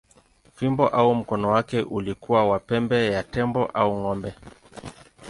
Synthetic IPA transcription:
vimbɔʔaum̩kɔnɔwakɛʔulikuwawapɛmbɛjatɛmbɔʔauŋɔmbɛ

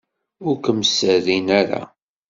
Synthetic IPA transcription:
ʊɾkəmsəðinæɾa̰

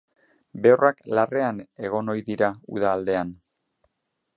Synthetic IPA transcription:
be̞oraklare̞ane̞ɣ̞o̞no̞jðiɾaṵð̞aːld̪e̞an

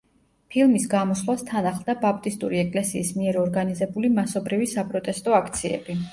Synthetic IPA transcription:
pʰilˠmisɡamɔsχlˠwast̪ʰanaχlˠd̪abap̚ʰt̪ʼist̪ʼuɾiɛkʼlɛsiːsmiɛɾɔɾɡanizɛbulimasɔbɾivisapʼɾɔt̪ʼɛst̪ʼɔakʰt̪sʰiɛ̰bi

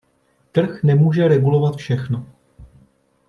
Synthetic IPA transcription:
t̪r̩xnɛmuːʒɛɾɛɡulo̞vat̪fʃɛxno

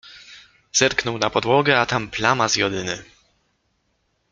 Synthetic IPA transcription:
z̥ɛɾknɔwnapɔd̪wɔɡɛat̪amplamazjɔd̪ɘnɘ

